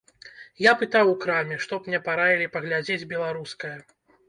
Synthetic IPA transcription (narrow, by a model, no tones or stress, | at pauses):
japɨt̪awukɾamʲɛʂt̪ɔpmnʲɛpaɾavʲilʲipɐɣlʲad͡zʲed͡zʲbʲɛlˠaɾuskɐjɐ